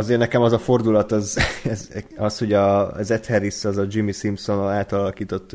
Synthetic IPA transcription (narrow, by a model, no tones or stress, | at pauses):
ɒzeːrnɛkɛmɒzɒfo̞rd̪ulɒt̪ɒzɛzɒsho̞ɟɒzɛt̪hɛɾisɒzɒd͡ʒimːisimpso̞naːt̪ɒlɒlɒkiːt̪o̞t̪ː